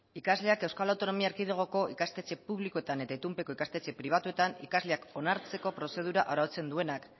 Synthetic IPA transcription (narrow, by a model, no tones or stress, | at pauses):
ikazle̞ake̞wskalawt̪o̞no̞miaeɾkið̞eɣ̞o̞ko̞ʔikast̪e̞t͡ʃe̞puβ̞likoet̪ane̞t̪ait̪umpe̞ko̞ikast̪et͡ʃe̞pɾiβ̞at̪ue̞t̪anḭkazle̞ako̞naɾt͡se̞ko̞pɾo̞se̞ð̞uɾaʔoɾaot͡se̞nd̪ue̞nak